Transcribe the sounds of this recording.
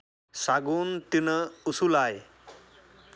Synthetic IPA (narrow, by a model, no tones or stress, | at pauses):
saɡunt̪inəusulaj